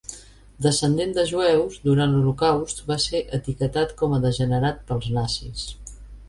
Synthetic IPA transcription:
d̪əsənd̪end̪əʒuɛwzd̪uɾant̪lulukawst̪baseʔət̪ikət̪at̪kɔməðəʒənəɾat̪̚pəlˠznasḭs

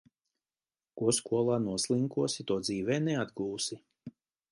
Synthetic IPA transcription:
kuɔskuɔlˠaːnuɔslˠiŋkuɔsit̪uɔd̪ziːvɛːnɛad̪ɡuːsi

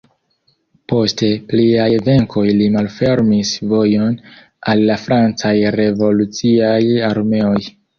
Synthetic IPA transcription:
po̞ste̞pliajve̞ŋko̞jlimalfe̞ɾmisvo̞jo̞n | alːafɾant͡sajɾe̞vo̞lut͡siajaɾme̞o̞j

